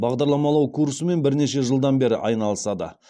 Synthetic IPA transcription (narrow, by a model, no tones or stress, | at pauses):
bɑʁd̪ɑɾlˠɑmɑlˠɑwkʰursəme̞nbɪɾne̞ʃe̞ʒəlˠd̪ɑnbe̞ɾɪ̰ʔɑ̰jnɑlˠəsɑd̪ə̰